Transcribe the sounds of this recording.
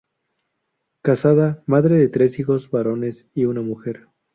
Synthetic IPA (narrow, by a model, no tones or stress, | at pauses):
kasaðamaðɾe̞ðe̞t̪ɾe̞sixo̞zβaɾo̞ne̞s | iunamuxe̞ɾ